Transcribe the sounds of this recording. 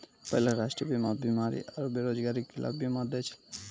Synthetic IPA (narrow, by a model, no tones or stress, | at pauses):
pɔjlaɾaʃʈɾiobimabimaɾḭʔaɾobiɾod͡ʒɡaɾikːilʔa̰bbimad̪et͡ʃʰi̥l